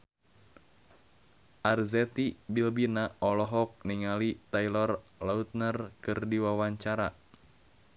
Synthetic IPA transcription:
ʔarzɛt̪ibilbinaɔlɔɦɔk̚niŋalit̪ailɔrlaut̪̚nərkɨrdiwawaɲt͡ʃaɾa

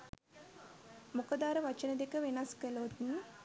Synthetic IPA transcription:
mukəd̪aːɾɐʋɐt͡ʃənəd̪ekəʋenɐskəlot̪n̩

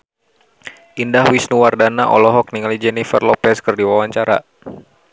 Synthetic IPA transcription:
ʔindahwisnuwardanaʔɔ̰lɔɦɔk̚niŋalid͡ʒɛnifə̰rlɔpɛskɨrdiwawaɲt͡ʃaɾa̰

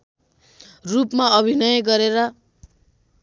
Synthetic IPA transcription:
rupmaʌbʱinʌjʌɡʌɾeɾʌ

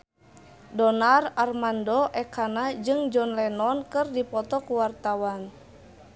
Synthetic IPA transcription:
dɔnararmandɔʔɛkanad͡ʒɨŋd͡ʒɔnlɛnɔnkɨrdipɔt̪ɔkuwart̪awan

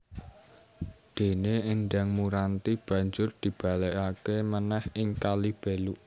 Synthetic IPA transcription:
d̪̥e̤neːnɖaŋmuɾant̪ib̥ä̤ɲd͡ʒʊrd̪̥i̤b̥a̤lɛkakemənɛhɪŋkalib̥e̤luʔ

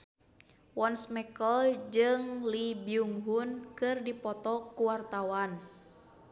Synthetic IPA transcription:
wɔnsmɛkəld͡ʒɨŋlibiuŋɦunkɨrdipɔt̪ɔkuwart̪awan

